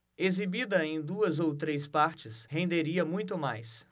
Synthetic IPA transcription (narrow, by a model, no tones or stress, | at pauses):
ezibid̪ɐẽj̃d̪uɐzowt̪ɾespaɾt͡ʃɪsɦẽnd̪eɾiɐmũj̃t̪ʊmajs